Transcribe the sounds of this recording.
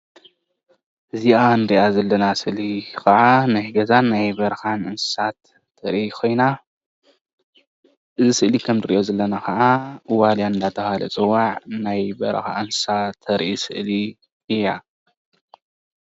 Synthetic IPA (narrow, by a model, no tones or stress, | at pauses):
ʔɨziand̪iʔazɐlːɐnasɨʔlikʰɐʕanɐhɡɐzanːajbɐɾxanʔɨnsɨ̥sat̪ʰː | ɐɾʔiikʰo̞jna | ʔɨzisɨʔlikʰɐmzɨɾḭʔozɐlːɐnaxɐʕawaljanɨnd̪at̪ʰɐhalɐ̰t͡sʼɨwaʕnajbɐ̰ɾxa̰ʔɨnsɨ̥sat̪ʰːɐɾʔisɨ̰ʔli | ɨjːa